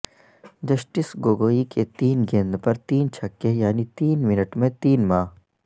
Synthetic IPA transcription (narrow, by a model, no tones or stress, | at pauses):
d͡ʒɐsʈɪsɡoːɡoːiket̪iːnɡẽːnd̪pɐɾt̪iːnt͡ʃʰɐkːejaːnit̪iːnmɪnəʈmẽt̪iːnmãː